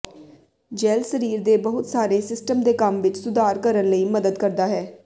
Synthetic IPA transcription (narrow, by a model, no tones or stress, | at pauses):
d͡ʒɛːlsəɾiːɾd̪eːbəɦʊt̪saːɾeːsɪsʈəmd̪eːkəmʋɪt͡ʃsʊd̪aːɾkəɾənləiːməd̪əd̪kəɾd̪aːɦɛː